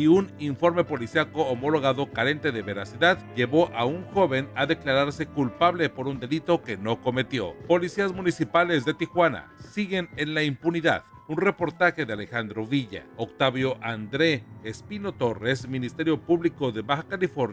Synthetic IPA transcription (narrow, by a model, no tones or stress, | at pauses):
iuniɱfo̞ɾme̞po̞lisjako̞ːmo̞lo̞ɣaðo̞kaɾe̞nt̪e̞ðe̞βe̞ɾasiðaðʝe̞βo̞ʔauŋxo̞βe̞naðe̞klaɾaɾse̞kulpaβle̞po̞ɾund̪e̞lit̪o̞ke̞no̞ko̞me̞t̪jo̞po̞lisiazmunisipale̞zðe̞t̪ixwana̰siɣe̞nenlaimpuniða̰ð | unre̞po̞ɾt̪axe̞ðeale̞xand̪ɾo̞βiʝa̰okt̪aβjo̞ʔand̪ɾe̞ːspino̞t̪o̞re̞sminist̪eɾjo̞puβliko̞ðe̞βaxakalifo̞ɾna